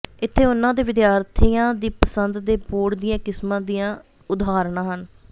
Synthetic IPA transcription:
ɪt̪ʰːeːʊnãːd̪eːʋɪd̪jaːɾt̪ʰijãːd̪iːpəsənd̪d̪eːpoːɽd̪ɪjãːkɪsmãːd̪ijãː | ʊd̪aːɾɳ̃ãːɦən

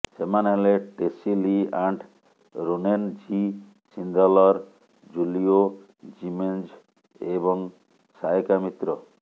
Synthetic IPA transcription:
semaneleʈesiliaɳɖ | ɾunend͡ʒi | sind̪ʱɔlɔɾ | d͡ʒulio | d͡ʒimend͡ʒ | ebɔŋ | sajekamit̪ɾɔ

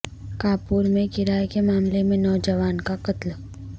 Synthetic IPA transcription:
kaːpuːɾmẽkɪɾaːjkemaːmlemẽnɔːd͡ʒəʋaːnkaqɐt̪l

